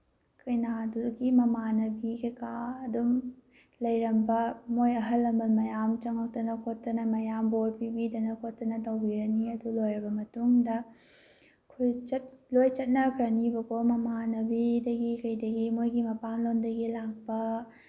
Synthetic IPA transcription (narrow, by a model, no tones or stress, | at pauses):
kɐjnaduɡimɐmanɐbikɐjkaɐdum | lɐjɾɐmbɐmojɐɦɐlːɐmɐlmɐjamt͡ʃɐŋɐk̚tɐnɐkʰotːɐnɐmɐjamboɾpibidɐnɐkʰotːɐnɐtɐwbiɾɐniɐdulojɾɐbɐmɐtuŋdɐ | kʰujt͡ʃɐt̚lojt͡ʃɐt̚nɐkʰɾɐnibɐkomɐmanɐbidɐɡikɐjdɐɡimojɡimɐpaŋlondɐɡilak̚pɐ